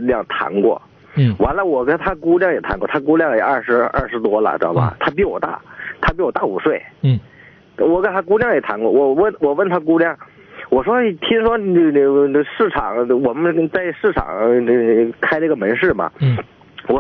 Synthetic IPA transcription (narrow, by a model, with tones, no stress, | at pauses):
ljɑ˥˩ŋt̪ʰa̰˧˥nkwɔ̰˥˩ | wa˧˥nlə˧wɔ˨˩kə˥˩t̪ʰa˥ku˥ljɑ˥˩ŋjɛ˨˩t̪ʰŋkwɔ˥˧˩t̪ʰa˥ku˥ljɑ˥˩ŋjɛ̰˨˩ɐ˥˩ʂɻ̩˧˥ɐ̰˥˩ʂɻ̩˧˥t̪wɔ˥lə̰˨ʈ͡ʂɛ̰˥˩bɐ̰˧˩t̪ʰa˥pi˥˩wɔ˨˩t̪a̰˥˩t̪ʰa˥pi˧˥wɔ˨˩t̪a˥˩u˨˩ʂwe˥˩ɪ˩ | wɔ˨˩kə˥˩nt̪ʰa˥ku˥ljɑ˥˩ŋjɛ˨˩t̪ʰa˧˥nkwɔ˥˩wɔ˨˧˩wə˥˩nwɔ˨˩wə˥˩nt̪ʰa˥k̬u˥ljɑ˥˩ŋ | wɔ˨˩ʂwɔ˥e˥˩t̪ʰi˥nʂwɑ˥ŋ˥ʂɻ̩˥˩ʈ͡ʂʰɑ˨˩˦ŋwɔ˨˩mə˦nt͡sa˥˧ɪʂɻ̩˥˩ʈ͡ʂʰɑ̰˨˩˦ŋ | kʰa˥ɪna˥˩ɡə˩mə˧˥nʂɻ̩˥˩mɐ̰˩ | wɔ˨˩